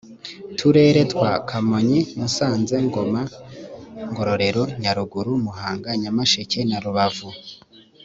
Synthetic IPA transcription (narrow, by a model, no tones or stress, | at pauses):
tʰuɾe̞ːɾe̞twakʰamoɲimusaːnze̞ŋɡo̞ma | ŋɡo̞ɾo̞ɾe̞ɾo̞ɲaɾuɡuɾumuhaːŋɡaɲamaʃece̞naɾuβavu